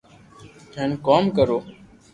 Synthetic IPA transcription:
henkoːmkəɾoː

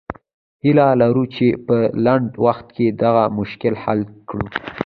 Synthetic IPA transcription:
hilalaɾut͡ʃepəlaɳɖwaxt̪̚ked̪aɣamʊʃkɪlhalkɽṵ

